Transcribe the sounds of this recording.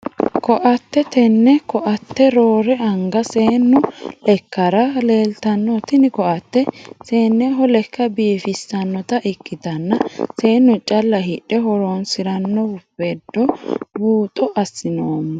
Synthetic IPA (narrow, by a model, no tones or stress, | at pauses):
kɔʔɐt̪ːɛt̪ɛnːɛkɔʔɐt̪ːɛɾoːɾɛɐŋɡɐseːnːʊlɛkːɐɾɐle̞ːlt̪ɐnːɔt̪ɪnɪkɔʔɐt̪ːɛseːnːɛɦɔlɛkːɐbiːfɪsːɐnːɔt̪ɐʔɪkːɪt̪ɐnːɐse̞ːnːʊt͡ʃʼɐlːɐɦɪᶑɛɦɔɾonsɪɾɐnːɔhʊfɛd̪ːɔbuːt̪ʼɔʔɐsːɪnoːmːɐ